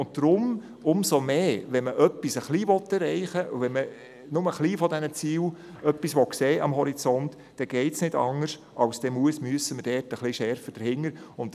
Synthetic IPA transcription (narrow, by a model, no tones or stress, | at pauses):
ʊnt̚d̥ɾʊm | ʊmsomeːʋɛnməʔœpːisəχliːʋɔt̪ːɛɾɛɪχəʔṵʋɛnmə | nʊməχliːfɔdɛnət͡siːw | œpːisʋɔkseːʔɑmɦɔɾit͡sɔnt | d̥ɛɡ̥ɛɪtsnɪdɑŋːəɾʃ | ʔɑwsd̥ɛmuəsmyəsəməd̥ɛːtəχlɪʃɛɾfəd̥əɾhɪŋːəɾʊnt